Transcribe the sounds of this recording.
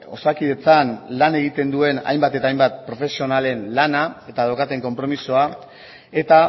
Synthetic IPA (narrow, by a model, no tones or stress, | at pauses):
o̞̰sakiðe̞t͡sanlane̞ɣit̪e̞nd̪ue̞na̰jmbat̪e̞t̪aːjmbat̪̚pɾo̞fe̞sio̞nale̞nlanae̞t̪aðaokat̪e̞ŋko̞mpɾo̞misoa | e̞t̪a